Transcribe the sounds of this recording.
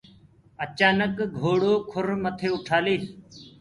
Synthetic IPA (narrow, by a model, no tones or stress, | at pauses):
ət͡ʃaːnəkɡʱoːɽoːkʰʊɾmət̪ʰeːʊʈʰaːliːs